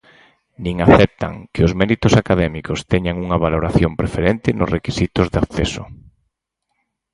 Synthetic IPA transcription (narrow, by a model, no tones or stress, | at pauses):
nĩŋaθɛp̚t̪a̰ŋkɪʊzmɛɾit̪ʊsakaðɛmikost̪ɛɲaŋuŋaβaloɾaθjompɾefeɾɛnt̪ɪnʊ̰zrekisit̪ʊzðaθɛsʊ̰